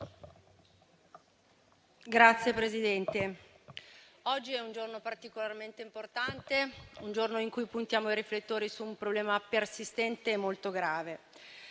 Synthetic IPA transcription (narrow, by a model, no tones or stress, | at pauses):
ɡɾat̪sːjepɾezid̪ɛnt̪e | ɔd͡ʒːiɛund͡ʒornopart̪ikolarment̪eimport̪ant̪eund͡ʒornoiŋkujpunt̪jaːmoiɾiflet̪ːoːɾisuːmpɾoblɛːmapersist̪ɛnt̪eːmolt̪oɡɾaːve